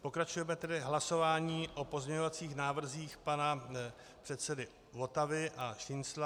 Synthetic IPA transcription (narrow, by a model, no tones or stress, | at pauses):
po̞kɾat͡ʃujɛmɛt̪ɛdɪɦlaso̞vaːɲiːʔo̞po̞zmɲɛɲo̞vat͡siːxnaːvr̩ziːxpana | pr̝̥ɛt̪sɛdɪ | vo̞t̪avɪʔaʃɪnsla